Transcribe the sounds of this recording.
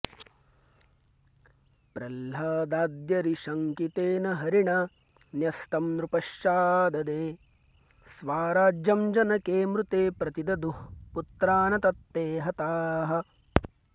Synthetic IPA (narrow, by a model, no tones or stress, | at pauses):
pɾɐlɦaːd̪aːd̪jɐɾiʃɐŋkit̪eːnɐɦɐɾiɳɐ | njɐst̪ɐmnɾupɐʃjaːd̪ɐd̪eː | sʋaːɾaːd͡ʒjɐmd͡ʒɐnɐkeːmɾut̪eːpɾɐt̪id̪ɐd̪uput̪ɾaːnɐt̪ɐt̪ːeːɦɐt̪aːɦɐ̆